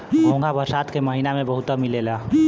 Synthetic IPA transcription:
ɡõŋɡʱabəɾsat̪keməɦinamebəɦut̪əmilelə

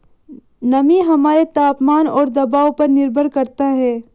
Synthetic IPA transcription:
nɐmiɦɐmaːɾet̪aːpmaːnɔːɾd̪ɐbaːopɐɾnɪɾbʱəɾkɐɾt̪aɦɛː

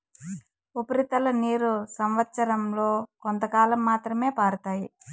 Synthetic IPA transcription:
upɐɾit̪ɐlɐniːɾusɐmʋɐt̪sɐɾɐmlo̞ːkont̪ɐkaːlɐmːaːt̪ɾɐme̞ːpaːɾut̪aːji

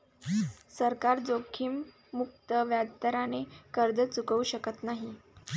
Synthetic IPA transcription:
səɾkaɾd͡zokʰiːmː | uk̚t̪əʋjad̪t̪əɾanekəɾd͡zət͡sukəuɕəkət̪naɦi

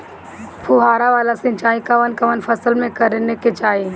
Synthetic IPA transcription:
pʰʊɦaːɾaʋaːlasɪ̃nt͡ʃaːikaʋənkɐʋənfʰɐsəlmẽkɐɾeneket͡ʃaːe

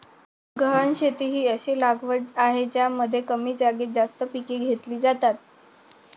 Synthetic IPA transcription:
ɡəɦənɕet̪iːɦiːəɕelaɡʋəd͡zaɦet͡ɕjaməd̪ʱːjekəmiːd͡ʑaɡet̪̚d͡zast̪əpikiːɡʱet̪liːd͡zat̪at̪̚

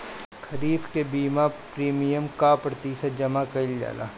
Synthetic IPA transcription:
kʰɐɾiːfkebiːmapɾiːmijəmkaːpɾət̪iːsad͡ʒɐmakɐɪld͡ʒa̰ːla̰ː

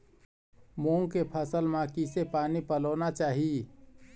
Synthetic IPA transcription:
moːŋkepʰəsəlmãkisepaːnipəloːnat͡ʃaːɦi

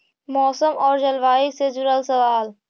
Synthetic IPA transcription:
mɔːsəmɔːɾd͡ʒɐlʋaːiksed͡ʒʊɾəlsɐʋaːl

